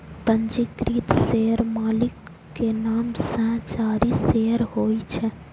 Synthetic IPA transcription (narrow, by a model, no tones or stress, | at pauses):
pənd͡ʒikɾiːt̪seəɾmalikː | enaːmsə̃t͡ʃaːɾiseəɾhoit͡ʃʰɛ